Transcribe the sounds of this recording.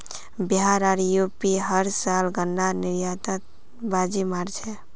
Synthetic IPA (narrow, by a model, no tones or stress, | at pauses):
biɦaɾaɾjupiɦəɾsalɡənːaniɾjat̪ət̪ | bad͡ʒimaɾt͡ʃʰɛ